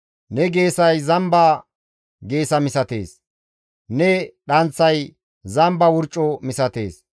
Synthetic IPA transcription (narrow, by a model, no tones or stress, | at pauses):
nɛɡeːsɐjzɐmbɐ | ɡe̞ːsɐmɪsɐt̪ḛːs | nɛɗɐnt͡sːɐj | zɐmbɐwʊɾt͡ʃʼːɔmɪsɐt̪e̞̰ːs